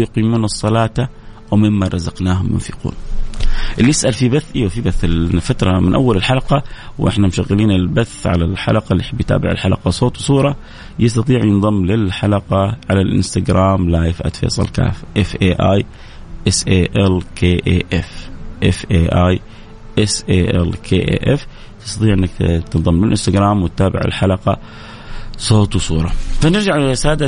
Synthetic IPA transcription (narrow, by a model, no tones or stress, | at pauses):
jqiːmuːnɨsˤːɑlɑːt̪a | wmɪmːaɾˤɑzɑqnaːɦʊmjʊ̰nfiqṵːn | ʔɪlːjɪsʔalfibaθːʔiwfibaθɪlfat̪ɾˤɑmɪnʔawːalɪlħalɑqɑwʔɪ̰ħnamʃaɣːɪliːnɪlbaθːʕa̰lalħa̰laqɑlːiħɪbːjt̪a̰ːbɪʕɪ̰lħalɑ̰qɑsˤoːt̪wsˤuːɾˤɑ | jɑs̬t̪ɑt̪ˤiːʕjɪnðˤɑmːlɪlħalɑqɑʕalalʔɪ̰nst̪aɡɾaːmlaːjfʔa̰t̪fḛːsˤɑ̰lka̰ːfʔɪfʔeːʔaːj | ʔɪsʔeːʔɛlkʰeːʔeʔɛfʔɪfʔeːʔaːj | ʔɪsʔeːʔɛ̰lkʰeːʔḛːʔɛf | t̪ɪ̥st̪ɑt̪ˤiːʕʔɪnːakt̪ɨnðˤɑmːlɪlʔɪnst̪aɡɾaːmwɪt̪ːaːbɪ̰ʕɪ̰lħalɑqɑ | sˤoːt̪wsˤuːɾˤɑfanɪɾd͡ʒaʕsaːd̪a